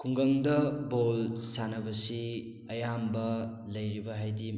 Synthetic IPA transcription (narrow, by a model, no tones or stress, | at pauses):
kʰuŋɡɐŋdɐbolsanɐbɐsi | ɐjambɐ | lɐjɾibɐɦajdi